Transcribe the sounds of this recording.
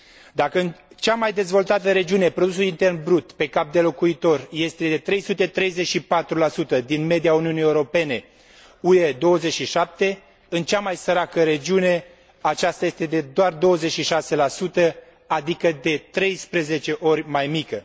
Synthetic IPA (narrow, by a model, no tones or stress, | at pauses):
d̪akəɨn | t͡ʃamajd̪e̞zvo̞lt̪at̪əɾe̞d͡ʒiune̞pɾo̞d̪usulint̪e̞rnbɾut̪pe̞kap̚d̪e̞lo̞kuit̪o̞rje̞st̪e̞d̪e̞t̪ɾe̞jsut̪e̞t̪ɾe̞jzet͡ʃʃipat̪ɾulasut̪əd̪inme̞d̪ijauniunijeuɾo̞pe̞ne̞ | ued̪o̞wəze̞t͡ʃʲʃiʃap̚t̪e̞ | ɨnt͡ʃamajsəɾakəɾe̞d͡ʒiune̞ | at͡ʃast̪aje̞st̪e̞d̪e̞d̪oard̪o̞wəze̞t͡ʃʃiʃase̞lasut̪ə | ad̪ikəd̪e̞t̪ɾe̞jspɾe̞ze̞t͡ʃe̞ʔo̞rʲmajmikə